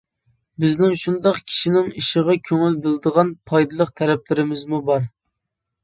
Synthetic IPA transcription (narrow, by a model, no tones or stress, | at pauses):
bɪznɪŋʃund̪ɑqkʲʰi̥ʃinɪŋiʃəʁɑkʲʰøŋylbɪld̪əʁɑnpʰɑjd̪ɨlˠəqt̪ʰɛɾɛp̚lɪɾɪmɪzmubɑɾ